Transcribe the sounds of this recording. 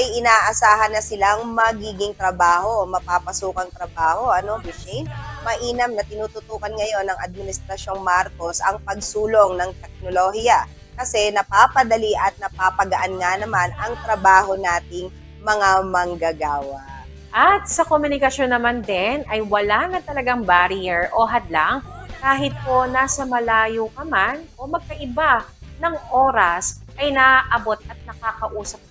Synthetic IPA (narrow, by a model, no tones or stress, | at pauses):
ɐjʔɪnaːʔɐsaːɦɐnːɐsɪlaŋmɐɡiːɡɪŋt̪ɾɐbaːho̞mɐpapɐsuːkɐŋt̪ɾɐbaːho̞ʔɐno̞mɪʃɛjnmɐʔiːnɐmnɐt̪ɪnuːt̪ʊt̪uːkɐnŋɐjo̞nːɐŋɐd̪̚mɪnɪst̪ɾɐʃjo̞ŋmaɾko̞sɐŋpɐɡ̚suːloŋnɐŋt̪ɛk̚nolohijɐ | kɐsɛnɐpaːpɐd̪ɐliʔɐt̪̚nɐpaːpɐɡɐʔanŋanɐmanɐŋt̪ɾɐbaːho̞naːt̪ɪŋ | mɐŋamɐŋɡɐɡaːwɐʔ | ʔɐt̪̚sɐkomʊnɪkɐʃonːɐmand̪ɛnʔɐjwɐlanɐt̪ɐlɐɡaŋbaɾɪjɛɹʔoɦɐd̪laŋ | kaːɦɪt̪̚po̞naːsɐmɐlaːjokɐmanʔomɐɡ̚kɐʔɪbanɐŋʔo̞ːɾɐsʔɐjnaʔʔɐbo̞t̪̚ɐt̪̚nɐkaːkɐʔuːsɐp̚